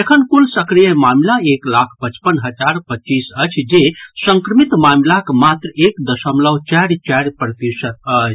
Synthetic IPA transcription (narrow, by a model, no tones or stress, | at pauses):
ekʰənkulsəkɾijəmamlaeklakʰpət͡ʃpənɦəd͡ʒaɾpət͡ʃisət͡ʃʰd͡ʒesəŋkɾəmit̪mamlakmat̪ɾəekd̪əsəmlət͡ʃaɾt͡ʃaɾpɾət̪isət̪ət͡ʃʰ